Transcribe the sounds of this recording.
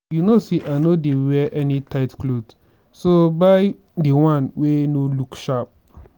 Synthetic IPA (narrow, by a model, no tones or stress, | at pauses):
junoseʔanodewwɛʔɛnĩtʰaɪtklod | sobaɪ | diwãnwenolukʃap̚